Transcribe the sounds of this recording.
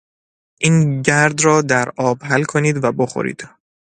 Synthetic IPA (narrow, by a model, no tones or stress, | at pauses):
ʔiːnɟæɾd̪ɾɒːd̪æɾʔɒːbɦælkʰoniːd̪væbo̞xo̰ɾḭːd̪̥